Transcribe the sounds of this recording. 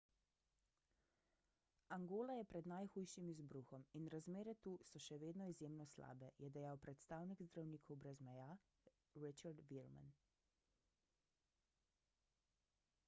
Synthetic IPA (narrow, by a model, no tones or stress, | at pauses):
aŋɡoːlajɛpɾɛd̪najxuːjʃimizbɾuːxɔminɾazmeːɾɛt̪uːsɔʃɛʋeːd̪nɔizjeːmnɔsla̰ːbɛjɛd̪ɛjawpɾɛt̪st̪aːwniɡzd̪ɾawniːkʰɔwbɾɛzmɛjaː | ɾit͡ʃaɾd̪ʋiɾma̰n